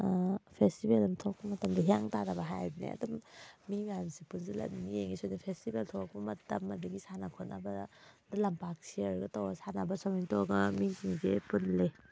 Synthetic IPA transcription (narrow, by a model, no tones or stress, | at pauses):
pʰestibelɐmtʰok̚pɐmɐtɐmdɐɦijaŋtadɐbɐɦajbnḛɐ̰dɔmːimajmsipunzilɐ̰nijeŋisojnɐpʰestibeltʰɔk̚pɐmɐtɐmːɐdɐɡisanakʰɔtna̰bɐdɐlɐmpak̚siɐɾɡɐtowɡɐsanabɐsɔmiŋtoɡɐmiŋtiŋzepunle